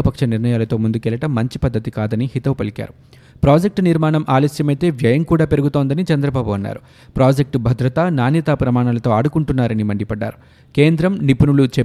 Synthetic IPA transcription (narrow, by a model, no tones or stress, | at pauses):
ɐpɐkʂɐniɾnɐjaːlɐt̪o̞ːmund̪ukɛːlɐʈɐmːɐɲt͡ʃipɐd̪ːɐt̪ikaːd̪ɐnihit̪ɐʋpɐlika̰ːɾu | pɾaːd͡ʒek̚ʈniɾmaːɳɐmʔaːlɐsjɐmɐjt̪e̞ːʋjɐjɐmkuːɽaːpe̞ɾuɡut̪o̞ːnd̪ɐnit͡ʃɐnd̪ɾɐbaːbuɐnːa̰ːɾu | pɾaːd͡ʒek̚ʈbʱɐd̪ɾɐt̪ɐnaːnjɐt̪aːpɾɐmaːɳalɐt̪o̞ːɐɽukuɳʈunːaːɾɐnimɐɳɖipɐɖːa̰ːɾu | ke̞ːnd̪ɾɐmnipunulut͡ʃe